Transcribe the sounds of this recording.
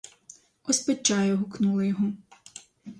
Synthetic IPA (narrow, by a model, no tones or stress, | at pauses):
ɔspɐt͡ʃːajɔɦʊknulˠɐjɔɦɔ